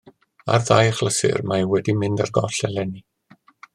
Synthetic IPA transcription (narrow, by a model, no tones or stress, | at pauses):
a̰rðajχlˠəsɪ̰rmawɛdimɪndarɡɔɬɛlɛni